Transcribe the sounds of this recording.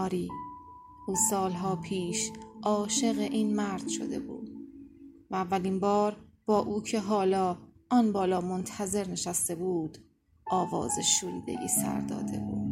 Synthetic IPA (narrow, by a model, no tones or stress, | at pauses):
ɾiː | ʔuːsɒːlɦɒːpʰiːʃʔɒːʃe̞ɣeʔiːnmæɾd̪̥ʃo̞̰d̪e̞̰bṵːd̪̥ | væːvːælinbɒːɾb̥ɒːʔuːcʰe̞ɦɒːlɒːʔɒnbɒːlɒːmont̪ʰæze̞ɾne̞ʃæst̪e̞buːd̪ | ʔɒːvɒ̰ːzḛʃuːɾḭːd̪e̞̰ɟḭːsæ̰ɾd̪ɒ̰ːd̪e̞̰buːd̪̥